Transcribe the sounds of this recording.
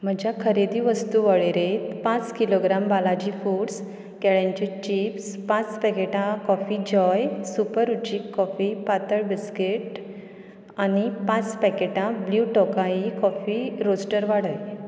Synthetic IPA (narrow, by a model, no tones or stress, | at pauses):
m̤əd͡ʑjakʰəɾed̪iʋəst̪uʋəɭeɾet̪pãt͡skiloɡɾambalad͡ʑifuɽs | kɛɭãɲt͡ɕet͡ɕipspãt͡spɛkeʈãkɔfid͡ʑɔjsupəɾut͡ɕiːkːɔfipat̪əɭbiskeʈ | anipãt͡spɛkeʈãbljuʈɔkaikɔfiɾosʈəɾʋaɽəj